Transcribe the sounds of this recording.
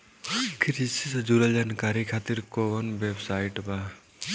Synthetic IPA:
kʰiɾisisɐd͡ʒuɾɐld͡ʒankaɾikʰat̪iɾkoʋɔnbebsajʈba

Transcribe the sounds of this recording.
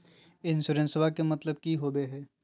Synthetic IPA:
ɪnsʊɾə̃nsəbʱakemɐt̪ləbkiɦoːbeɦɛː

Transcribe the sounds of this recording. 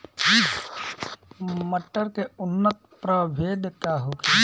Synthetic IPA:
məʈːəɾkeʊnːət̪pɾəbʱeːd̪kaɦoke

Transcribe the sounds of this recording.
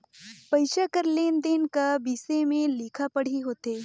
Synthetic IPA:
pɐɪʃakəɾleːnd̪eːnkabiːsemẽliːkʰapɐɽ̤iɦoːt̪eː

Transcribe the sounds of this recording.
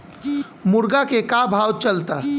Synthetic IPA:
mʊɾɡakekabʱawt͡ʃəlt̪a

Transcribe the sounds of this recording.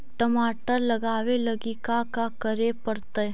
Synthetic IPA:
ʈəmaːʈəɾlɐɡaːʋeləɡikakakəɾepəɾt̪əj

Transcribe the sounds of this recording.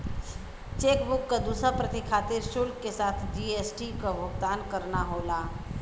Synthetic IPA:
t͡ʃeːkbʊkːad̪uːsapɾɐt̪ikʰaːt̪ɪɾʃʊlkkːesaːt̪ʰd͡ʒiesʈikobʱʊɡd̪aːnkɐɾnaɦoːlaː

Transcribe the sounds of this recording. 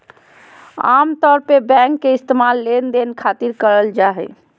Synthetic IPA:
a̰mt̪ɔɾpebɛ̃ŋkːeist̪emalːend̪enkʰat̪iɾkəɾəld͡ʒaɦɛ̰

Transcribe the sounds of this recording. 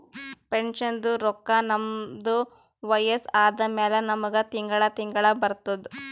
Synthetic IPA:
peɳʂɐnd̪uɾɔkːɐnɐmd̪u | ʋɐjɐsaːd̪ɐmɛːlɐnɐmɐɡɐt̪iŋɡɐɭɐt̪iŋɡɐɭɐbɐɾt̪ːɐd̪u

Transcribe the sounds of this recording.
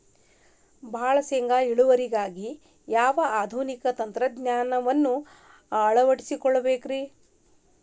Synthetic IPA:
bʱaːɭɐseŋɡaːiɭuʋɐɾiɡaːɡi | jaːʋɐaːd̪ʱunikɐt̪ɐnt̪ɾɐd̪ɲaːnɐʋɐnːu | ɐɭɐʋɐʈisikɔɭːɐbeːkɾiː

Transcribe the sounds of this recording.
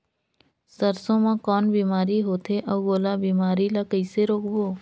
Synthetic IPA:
səɾsõmãkɔːnbiːmaːɾiɦoːt̪ʰeʔɔːɡoːlabiːmaːɾilakəɪseɾoːkboː

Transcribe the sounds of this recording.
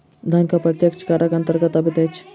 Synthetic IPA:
d̪ʱɐnkapɾɐt̪jəkt͡ʃkaɾəkɐnt̪əɾɡət̪ɐbit̪et͡ʃʰ

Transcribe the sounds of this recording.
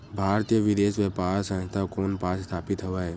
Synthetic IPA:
bʱaːɾt̪ijəʋɪd̪eːʃʋepaːɾsə̃t̪akoːnpaːsst̪ʰaːpɪt̪ɦoʋaːeː

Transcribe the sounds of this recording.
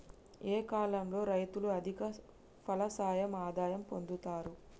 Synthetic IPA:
eːkaːlɐmlo̞ːɾɐjt̪uluɐd̪ʱikɐ | pʰɐlɐsaːjɐmaːd̪aːjɐmpo̞nd̪ut̪aːɾu

